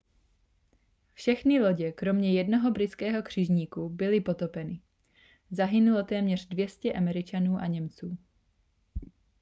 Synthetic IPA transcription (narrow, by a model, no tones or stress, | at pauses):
fʃɛxnɪlo̞ɟɛkɾo̞mɲɛjɛdnoɦo̞bɾɪt͡skɛːɦo̞kr̝̥ɪʒɲiːkubɪlɪpo̞t̪opɛnɪ | zaɦɪnulo̞t̪ɛːmɲɛr̝̥dvjɛscɛʔamɛɾɪt͡ʃanuːʔaɲɛmt͡suː